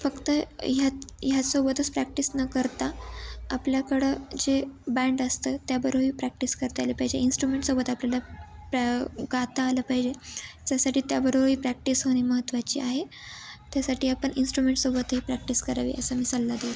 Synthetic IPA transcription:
fəkt̪əjajasobət̪ət͡spɾæk̚ʈisnəkəɾt̪aːpljakəɽed͡ʑebæɳɖəst̪ət̪jabəɾoɦiːpɾæk̚ʈiskəɾt̪alepaɦid͡ʑeinsʈɾumeɳʈsobət̪apljalapɡat̪aːləpaɦid͡ʑed͡ʑjasaʈiːt̪jabəɾoɦiːpɾæk̚ʈisɦoɽ̃iːməɦət̪ːʋat͡ɕḭːaɦe | t̪jasaʈiːapəɳinsʈɾumeɳʈsobət̪ɦiːpɾæk̚ʈiskəɾaʋḭəsəmiːsalːad̪et̪

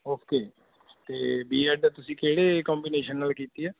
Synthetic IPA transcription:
oːkeː | t̪eːbiːɛːʈ̚d̪aːt̪ʊsĩːkeːɽeːkɔ̃ːmbiːneːʃənːaːlkiːt̪iɛː

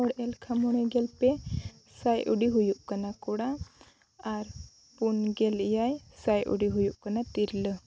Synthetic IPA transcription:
ɔɽɛlkʰamɔɽ̃ɛɡɛlpɛ | sajʔuɽiɦujuʔkanakuɽaː | ɾ | punɡɛlijajsajʔṵɽiɦujuʔkanatiɾlə

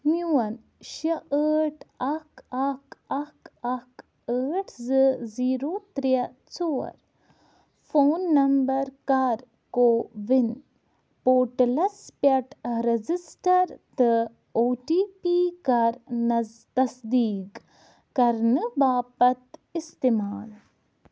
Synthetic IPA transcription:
mjuːɐn | ʃɐʔəːʈʰɐkɐkɐkɐk | əːʈʰzɨziːɾoːt̪ɾiɐ | t͡soːɐ̰ɾ | foːnːɐmbɐɾkaɾ | koːʋɪn | poːʈlɐspɐʈɾɐd͡ʒisʈɐɾt̪ɨ | oːʈiːpiːkɐɾnɐ | t̪ɐsd̪iːk | kɐɾnɨbaːpɐt̪ist̪emaːl

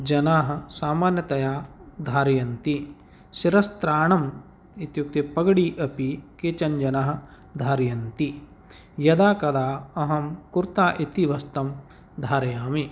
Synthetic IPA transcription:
d͡ʒɐnaːɦɐ̆saːmaːnjɐt̪ɐjaːd̪ʱaːɾjɐnt̪i | ʃiɾɐst̪ɾaːɳɐm | it̪juk̚t̪ipɐɡɐɽiʔɐpikeːt͡ʃɐɲd͡ʒɐnaɦɐ̆ | d̪ʱaːɾjɐnt̪i | jɐd̪aːkɐd̪aːɐɦɐmkuɾt̪aːʔit̪iʋɐst̪ɐm | d̪ʱaːɾɐjaːmi

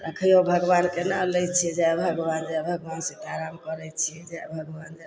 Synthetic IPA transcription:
əkʰjobʱəɡbankenalɛt͡ʃʰiɛd͡ʒaebʱəɡwand͡ʒabʱəɡʋansẽt̪aɾamkəɾɛt͡ʃʰiɛd͡ʒaɛbʱəɡband͡ʒa

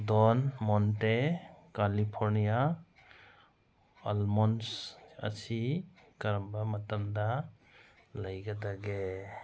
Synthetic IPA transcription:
dɔnmɔntekalipʰɔɾnija | almɔnsɐ̰si | kaɾɐmbamɐtɐmda | lajɡadaɡe

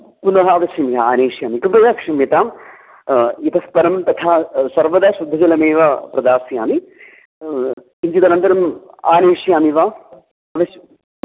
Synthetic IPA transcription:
punɐɦɐɐʋɐʃjɐmjɐa̰ːneːʂjaːmikɐpɾɐd̪aːkʂɐmjɐt̪aːm | it̪ɐspɐɾɐmt̪ɐt̪ʰaːsɐɾʋɐd̪aːʃud̪ʱːɐd͡ʒɐlɐmeːʋapɾɐd̪aːsja̰ːmi | iɲd͡ʒit̪ɐnɐnt̪ɐɾɐm | a̰ːneːʂjaːmiʋaː | ɐʋɐ

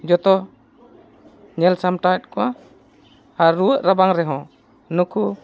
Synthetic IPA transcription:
d͡ʒɔt̪ɔ | ɲɛlsamʈat̪̚kɔwa | haɾuwəʔɾabaŋɾɛɦɔ̃ | nukʰu

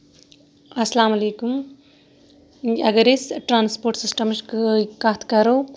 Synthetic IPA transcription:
ɐslaːmɐleːkum | jɐɡɐɾesʈɾaːnspoːɾʈsisʈɐmʃkkaːt̪ʰkɐɾow

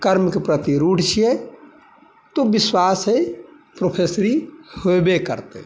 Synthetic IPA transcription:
kəɾmkepɾət̪iɾuʈt͡ʃʰie | t̪ubiswasɦəj | pɾopʰesɾihobekəɾt̪ḛ

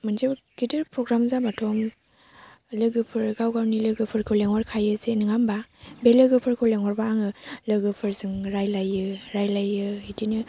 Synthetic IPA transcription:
mɯnzeb | ɡ̥idɯɾpʰɾɔɡɾamzamatʰɔm | lɯɡɯpʰɯɾɡawɡawnilɯɡɯpʰɯɾkʰɯleŋɔɾkʰajɯzenɯŋambabelɯɡɯpʰɯɾkʰɯwleŋɔɾbaːŋɯlɯɡɯpʰɯɾzɯŋɾajlajːɯɾajlajːɯitinɯ

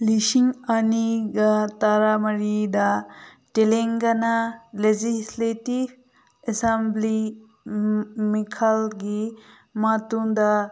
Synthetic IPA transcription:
liʃiŋaniɡat̪aɾamɐɾid̪a | ʈeleŋɡɐnaled͡ʒisletib | esɐmbli | mikʰalɡi | mat̪uŋd̪a

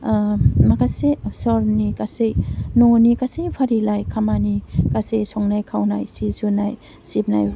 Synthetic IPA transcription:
makasesɔɾnikasejnɔnikasejpʰaɾilajkʰamanikasejsɔŋnajkʰawna̰jsizunaj | sip̚naj

